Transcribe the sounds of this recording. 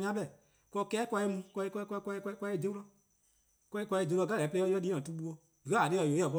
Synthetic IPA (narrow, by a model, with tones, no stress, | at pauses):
ɲã˦ɓɛ˨ | kʷɔ˧kɛː˦kʷa˧i˧mũ˧kɔ˧i˧kkʷkʷa˧i˧kkʷa˧i˦˨d͡ʒe˦lɔ˧ | kʷɔ˧i˦kʷa˧i˧˨d͡ʒe˧lɔ˧ɡa˦lɛː˨˦plɛ˧˦ɔ˧˦ɔ˦liː˦ã˨tu˧˦ɓu˧ɔ˧ | di˨a˦˨a˨de˦ɔ˨jo˨˦a˨ɓɔ˧